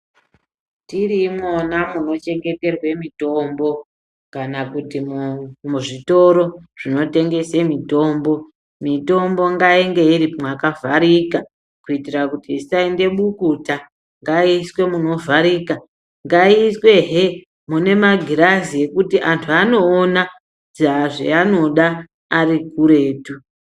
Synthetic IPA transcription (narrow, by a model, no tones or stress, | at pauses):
tirimonamuno̞t͡ʃe̞ŋɡe̞te̞rwe̞mito̞mbo̞ | kanakutimuʐito̞ɾo̞ʐ̥ino̞te̞ŋɡe̞semito̞ːmbo̞ | mito̞mbo̞ŋɡaeŋɡe̞iɾimwakavʱaɾika | kuitirakutisainde̞ɓukuta | ŋɡaiswe̞muno̞vʱaɾiːka | ŋɡaiswe̞ɦe | mune̞maɡʱiɾazie̞kutiʔantʰuano̞ːna | d͡zaʐḛano̞ɗa | arikuɾe̞ːtu